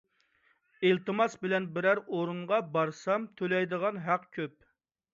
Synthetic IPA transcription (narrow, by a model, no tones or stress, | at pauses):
ilt̪ɨmɑsbɪlɛnbɪɾæɾoɾuɴʁɑbɑɾsɑmt̪ʰølɛjd̪əʁɑnɦæqkʲʰøp̚